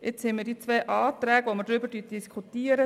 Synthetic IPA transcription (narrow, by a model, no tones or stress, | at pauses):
ɪt͡shɛmiɾdit͡sʋɛːʔɑːt̪ɾæːɡʋoməɾdɾybəɾtyt̚d̥iskʰut̪iːəɾə